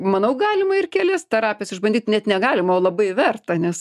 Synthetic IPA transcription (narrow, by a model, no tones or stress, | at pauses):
mɐnɐʊɡɑːlʲɪmɐɪrkʲɛlʲɛst̪ɐɾɑːpʲɪɛsɪʒbɐnd̪ʲiːt̪nʲɛt̪nʲɛɡɑːlʲɪmɐoːlˠɐbɐɪʋʲɛrt̪ɐnʲɛs